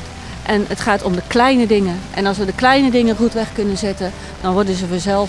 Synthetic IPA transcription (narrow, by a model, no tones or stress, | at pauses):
ʔɛnətχaːtɔmdəklɛjnədɪŋəʔɛ̰nɑlˠsʋədəklɛjnədɪŋərutʋɛχkɵnəzɪtə | d̥ɔnʋɔɹdəzəvəzɛlˠ